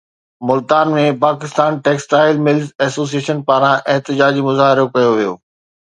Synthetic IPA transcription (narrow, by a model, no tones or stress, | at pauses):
mʊlt̪aːnmẽpaːkɪst̪aːnʈeːksʈaːɪlmɪlzɛːsoːs̬ieːʃənpaːɾãʔɪɦt̪ɪd͡ʑaːd͡ʑimʊzaːɦɪɾokɐjoʋijo̰ː